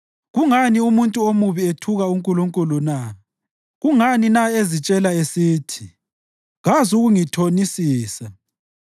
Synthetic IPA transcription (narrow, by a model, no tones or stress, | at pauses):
ɣuŋaniumuntʼuomuβietʰuɣauŋkʼuluŋkʼuluna | ɣuŋaninaezit͡ʃʼɛlaesiːtʰi̥ | ɣazuɣuŋitʰonisiːsa